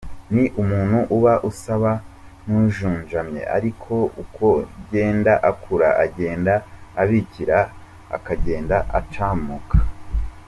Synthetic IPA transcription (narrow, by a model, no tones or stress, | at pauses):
niʔumuːn̥huʔuβaʔusaβa | nuːʒuːnʒamɲe̞̰a̰ɾikʰo̞ukʰo̞ɟe̞ːndaʔakʰuɾa̰ʔaɟe̞ːndaːβiciɾa | a̰kaɟe̞ːndaʔa̰t͡ʃaːmukʰḁ